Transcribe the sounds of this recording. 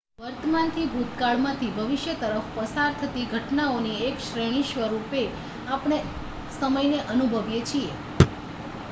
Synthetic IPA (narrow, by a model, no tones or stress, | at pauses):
ʋəɾt̪əmant̪ʰibʱut̪kaɭmãt̪ʰibʱəʋɪʃjət̪əɾəfpəsaɾt̪ʰət̪iɡʱəʈnaoniekʃɾeɽ̃iʃʋəɾupe | apɽ̃e | səməjneʔənubʱəʋjet͡ʃʰie